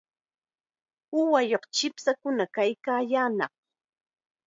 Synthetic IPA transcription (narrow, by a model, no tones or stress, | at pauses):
ʊwajoqt͡ʃɪpsakʊnakajkaːjaːnɑχ